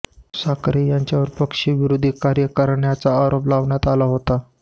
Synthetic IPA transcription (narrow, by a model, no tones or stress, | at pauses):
sakɾejaɲt͡ɕjaʋəɾpəkʂiːʋiɾod̪ʱiːkaɾjəkəɾɳjat͡saːɾoplaʋɳjat̪alaɦot̪a